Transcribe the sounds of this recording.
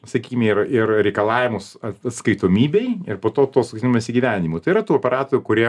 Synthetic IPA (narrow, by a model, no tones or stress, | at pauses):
sɐkʲiːkʲɪmʲeɪrɪrɾʲɛɪkɐlˠɑːʋʲɪmʊsɐɐt̪skɐɪt̪oːmʲiːbʲɛɪɪrpoːt̪oːt̪oːsʊkt̪ʲnʲmɐsʲɪɡʲiʋʲæːnʲɪmʊt̪ɐɪiɾɐt̪uːopʲɛɾɑːt̪oːɾʲʊkʊɾʲiɛ